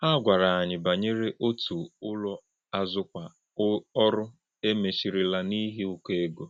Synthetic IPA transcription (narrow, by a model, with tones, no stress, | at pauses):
a˦ɡʷa˨ɾa˨a˨ɲɪ˨ba˨ɲe˦ɾe˦ʔo˦tu˨ʊ˦lɔ˦ | a˦zʊ˦kʷa˨ | ɔ˦ɾʊ˦ | e˦me˨ʃi˨ɾi˨la˦ni˦ɦe˦ʊ˦ke˦e˦ɡo˨